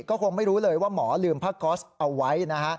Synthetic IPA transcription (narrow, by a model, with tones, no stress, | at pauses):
kɔː˥˩kʰo˧ŋma˥˩jɾuː˦˥lɤː˧jwaː˥˩mɔː˩˦lɯː˧mpʰaː˥˩kːɔː˦˥sʔa˧wːa˦˥jna˦˥kʰa˦˥ʔ